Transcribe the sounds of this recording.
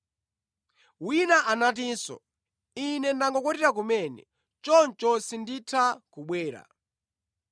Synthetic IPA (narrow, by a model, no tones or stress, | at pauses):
winaʔanat̬iːnsɔ̰ | inɛndaŋɡɔkɔtiɾakumɛnɛ̰ | t͡ʃɔnt͡ʃɔsinditʰakuɓwɛːɾa̰